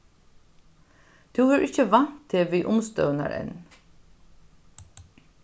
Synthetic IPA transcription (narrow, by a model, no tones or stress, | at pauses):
t̪ʰuvɛɹʔɪçəʋan̥t̪ʰːeʋiːʔʊmst̪œ̰wna̰ɹɛ̰n